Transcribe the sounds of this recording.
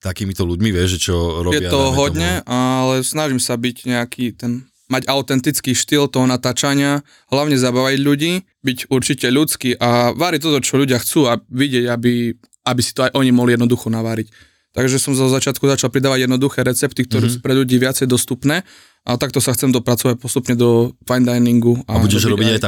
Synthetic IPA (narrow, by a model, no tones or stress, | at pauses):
t̪akiːmit̪ɔluɟmiʋɪɛʒɛt͡ʃɔɾɔjɛɪat̪ɔɦɔd̪ɲɛʔalɛsnaʒimsabicɲɛakʰiːt̪ɛn | maɟaʊt̪ɛnt̪it͡skiːʃt̪ilt̪ɔɦɔnat̪aːt͡ʃaɲɪa | ɦlaʊɲɛzabaʋaɟʎuɟiː | biɟuɾt͡ʃicɛʎut͡skiʔaʋaɾic̚t̪ɔt̪ɔt͡ʃɔʎuɟɪaxt͡suːaʋiɟɪɛɟabi | abisi̥t̪ɔajʔɔɲimɔɦlijɛd̪nɔd̪uxɔnaʋaɾic | t̪aɡʒɛsɔmzɔzat͡ʃɪat̪kuzat͡ʃalpɾid̪aːʋaɟjɛd̪nɔd̪uxɛːɾɛt͡sɛpt̪ik̚t̪ɔɾɛːsuːpɾɛʎuɟiːʋɪat͡sɛjd̪ɔst̪upnɛː | ʔat̪ak̚t̪ɔsaxt͡sɛmd̪ɔpɾat͡sɔʋac̚pɔst̪upɲɛd̪ɔfajnd̪ajniŋɡuauɟɛʒɾɔiajt̪a